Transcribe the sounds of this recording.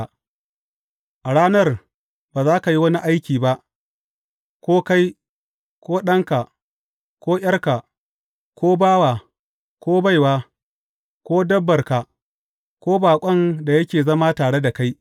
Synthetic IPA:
ʔa˨ɽaː˦nɐ˦r | baː˨zaː˦ka˨ji˦wɐ˦ni˦ʔa˦jkʲiː˨ba˦ʔ | kʷoː˦ka˦j | kʷoː˦ɗɐ˦ŋka˨ | kʷoː˦j̰ɐ˦rka˨ | kʷoː˦baː˦waː˨ | kʷoː˦ba˦jwaː˦ | kʷoː˦dɐ˦bːɐ˨rka˨ | kʷoː˦baː˨kʷʼɐ˦nda˨jɐ˦kʲeː˨zɐ˦maː˦taː˨ɽe˦da˨ka˦j

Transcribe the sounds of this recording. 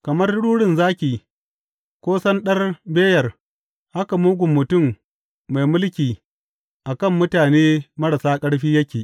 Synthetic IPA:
kɐ˨mɐ˦rɽuː˦ɽɪ˨nzaː˦kʲiː˨ | kʷoː˦sɐ˦nɗɐ˦rbeː˦jɐ˨r | ha˦ka˨muː˦ɡʷʊ˨mːʊ˨tʊ˦˨mː | a˨jmʊ˦lkʲiː˨ | ʔa˨kɐ˦˨mːʊ˦taː˨neː˦mɐ˦ɽa˨saː˦kʼɐ˦ɽɸiː˦jɐ˦kʲeː˨

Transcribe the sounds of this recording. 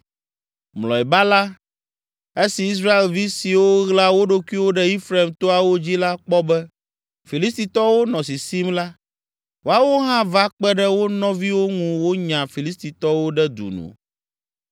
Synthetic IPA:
mlɔ˨ɛ˨ba˦la˦ | e˦si˨i˦s̬ɾa˦e˨lvi˦si˨wo˦ɣla˦wo˦ɖo˦kʷi˦wo˦ɖɛ˦i˦fɾe˨mt̪o˦a˨wo˦d͡ʑi˦la˦k͡pɔ˦bɛ˦ | fi˨li˦st̪i˨t̪ɔ˦wo˦nɔ̃˨s̬i˨si˦mla˦ | wo˦a˦wo˦ɦã˦va˦k͡pɛ˦ɖɛ˦wo˦nɔ̃˦vi˦wo˦ŋũ˨wo˦ɲã˨fi˨li˦st̪i˨t̪ɔ˦wo˦ɖɛ˦d̪ṵ˨nṵ̃˨

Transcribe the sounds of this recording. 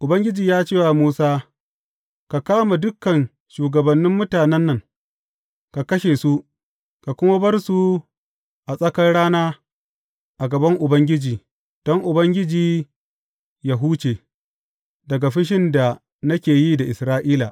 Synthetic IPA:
ʔʊ˨bɐ˦ŋɡʲɪ˦d͡ʒiː˨jaː˦t͡ʃeː˦wa˨muː˦saː˦ | ka˨kaː˦ma˨dʊ˦kːɐ˨n | ʃuː˨ɡɐ˨bɐ˨nːɪ˦mːʊ˦taː˨nɛ˦nːɐ˦˨ŋ | ka˨kɐ˦ʃeː˨su˦ | ka˨kʷʊ˦ma˦bɐ˦rsu˨ | ʔa˨sʼɐ˦kɐ˦nɽaː˦naː˦ | ʔa˨ɡɐ˨bɐ˦ŋʔʊ˨bɐ˦ŋɡʲɪ˦d͡ʒiː˨ | d̥ɔ˦ŋʔʊ˨bɐ˦ŋɡʲɪ˦d͡ʒiː˨ | ja˨ɦuː˦t͡ʃeː˨ | dɐ˨ɡa˨ɸɪ˦ʃ̬ɪ˦nda˨ | nɐ˦kʲeː˨ji˦da˨ʔɪ˨sɾaː˦ʔiː˦la˨ʔ

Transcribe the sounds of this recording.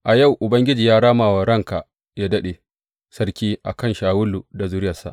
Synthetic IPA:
ʔa˨ja˦˨wʔʊ˨bɐ˦ŋɡʲɪ˦d͡ʒiː˨jaː˦ɽaː˦maː˨wa˨ɾɐ˦ŋka˨ | jaː˦dɐ˦ɗe˨ | sɐ˦rkʲiː˦ʔa̰˨kɐ˦˨nʃaː˨wʊ˦lːu˨da˨zʊ˦ɾɪ˦jɐ˨sa̰˨ʔ

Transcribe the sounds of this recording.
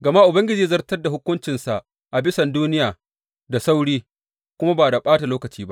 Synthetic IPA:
ɡɐ˨ma˦ʔʊ˨bɐ˦ŋɡʲɪ˦d͡ʒiː˦zɐ˦rtɐ˦da˨ɦʊ˦kʷʊ˦nt͡ʃɪ˨nsa˨ʔ | ʔa˨bɪ˦sɐ˨nduː˦nɪ˦jaː˨ | da˨sa˦wɽiː˦ | kʷʊ˦ma˦baː˨da˨ɓaː˦ta˨loː˦kɐ˨t͡ʃiː˦ba˦

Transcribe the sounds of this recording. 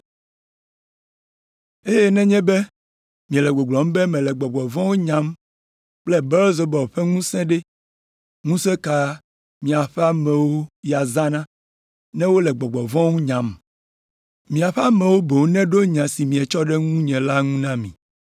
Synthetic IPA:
e˦jɛ˦nɛ̃˦ɲɛ̃˦bɛ˦ | mĩ˨ɛ˨lɛ˨ɡ͡bo˨ɡ͡blɔ˨m˦bɛ˦mɛ̃˨lɛ˨ɡ͡bɔ˨ɡ͡bɔ˨vɔ̃˦wo˦ɲã˦m | k͡plɛ˦bɛ˦lze˨bɔ˨ɸɛ˦ŋũ˦sɛ̃˦ɖɛ˦ | ŋũ˦sɛ˦ka˦ | mĩ˨a˨ɸɛ˦a˦mɛ̃˨wo˦ja˨zã˦nã˦ | nɛ̃˦wo˦lɛ˨ɡ͡bɔ˨ɡ͡bɔ˨vɔ̃˦ŋũ˦ɲã˨m | mĩ˨a˨ɸɛ˦a˦mɛ̃˨wo˦bo˨˦nɛ̃˦ɖo˦ɲã˨si˨mĩ˨ɛ˨t͡ʃɔ˦ɖɛ˦ŋũ˦ɲɛ̃˨la˦ŋũ˦nã˦mḭ̃˨

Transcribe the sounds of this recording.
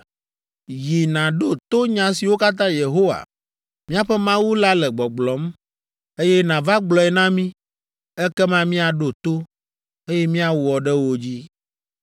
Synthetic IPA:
ji˨nã˨ɖo˦t̪o˦ɲã˨s̬i˨wo˦ka˦t̪̬ã˦je˨ɦo˦wa̰˨ | mĩ˦a˨ɸɛ˦mã˦wu˦la˦lɛ˨ɡ͡bɔ˨ɡ͡blɔ˨˦m | e˦jɛ˦nã˨va˦ɡ͡blɔ˨ɛ˨nã˦mĩ˦ | ɛ˦kɛ˦mã˦mĩ˦a˨ɖo˨t̪o˦ | e˦jɛ˦mĩ˦a˦wɔ˨ɖɛ˦wo˦d͡ʑi˦

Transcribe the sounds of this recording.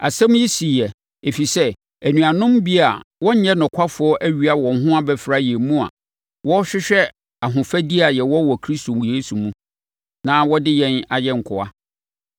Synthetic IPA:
a̰˨sɛ̃˦m˦ji˦si˨jɛ˨ | e˨fi˨sɛ˦ | æ˨nũ˨a˨nʊ̃˦mbi˦a˨wɔ̃˦ɲ˦ɲɛ̃˦nʊ̃˨kʷʰa˦fʊ˨˦ɔ˦ʔæ˦ɥy˨a˦wɔ̃˨n˦ɦʊ̃˦a˦bɛ˦fɾa˦jɛ˨mũ˦a̰˨ | wʔɔ˦ɕᶣɪ˦ɕᶣɛ˦ | a˨ɦʊ̃˨fæ˦di˦a˨jɛ˨wɔ˦wɔ˨kʰɾi˦sto˨m˨je˨˦sũ˨mũ˦ | nãː˦wɔ˦dɪ˦jɛ̃˦na˨jɛ˦ŋ̩˨kʰʊ˨a̰˦

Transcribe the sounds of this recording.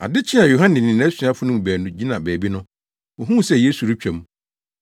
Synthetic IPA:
a̰˨dɪ˦t͡ɕʰɪ̃˦ã˨jo˨ɦã˦nɪ̃˨nɪ̃˨nɛ̃˦si˨˦a˦fʊ˦nʊ̃˦m˨bæː˨nũ˦d͡ʑi˦nã˨bæː˨bi˦nʊ̃˦ | ɔ˨ɦũ˦˨sɛ˦je˦su˨ɾi˦t͡ɕᶣɛ˨mũ˦

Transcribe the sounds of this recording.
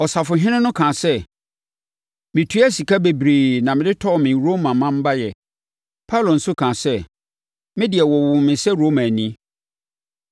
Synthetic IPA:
ɔ˨sa˨fʊ˨ɦɪ̃˦nɪ̃˦nʊ̃˦kʰã˨sɛ˦ | mɪ̃˨tʰu˦æ˦si˨kʰa˦be˨bɾeː˨nã˨mɪ̃˨dɪ˦tʰɔ˦˨mɪ̃˨ɾo˦mã˨mã˦m̩˦ba˦jɛ˨ | pʰa˦wlo˨n̩˦sʊ˦kʰã˨sɛ˦ | mɪ̃˦dɪ˨ɛ˨wɔ˨wʊ̃˨mɪ̃˨sɛ˦ɾo˦mã˨nĩ˦

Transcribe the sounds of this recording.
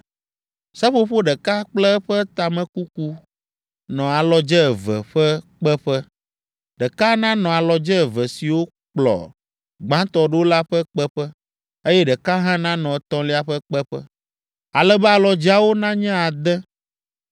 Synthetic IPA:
sɛ˦ɸo˦ɸo˦ɖɛ˨ka˦k͡plɛ˦ɸɛ˦t̪a˨mɛ̃˨ku˦ku˦ | nɔ̃˨a˨lɔ˨d͡ʒɛ˦ɛ˨vɛ̰˨ɸɛ˦k͡pɛ˦ɸɛ˦ | ɖɛ˨ka˦nã˦nɔ̃˨a˨lɔ˨d͡ʒɛ˦˨və˨si˨wo˦ | k͡plɔ̰˨ | ɡ͡bã˦t̪ɔ˦ɖə˦wo˦la˦ɸɛ˦k͡pɛ˦ɸɛ˦ | e˦jɛ˦ɖɛ˨ka˦ɦã˦nã˦nɔ̃˨˦t̪ɔ̃˦li˦a˦ɸə˦k͡pɛ˦ɸɛ̰˦ | a˨lɛ˦bɛ˦a˨lɔ˨d͡ʒi˦a˨wo˦nã˦ɲɛ̃˦a˨d̪ɛ˦

